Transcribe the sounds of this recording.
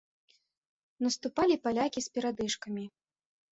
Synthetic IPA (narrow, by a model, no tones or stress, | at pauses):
nɐst̪upalʲipalʲakʲisʲpʲɛɾad̪ɨʂkɐmʲi